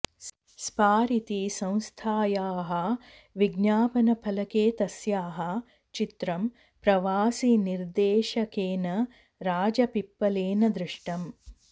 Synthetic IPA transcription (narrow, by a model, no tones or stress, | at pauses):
spaːɾit̪isɐ̃w̃st̪ʰaːjaːɦɐ | ʋiɡnaːpɐnɐpʰɐlɐkeːt̪ɐsjaːɦɐ | t͡ʃit̪ɾɐm | pɾɐʋaːsiniɾd̪eːʃɐkeːnɐ | ɾaːd͡ʒɐpipːɐleːnɐd̪ɾɪʂʈɐm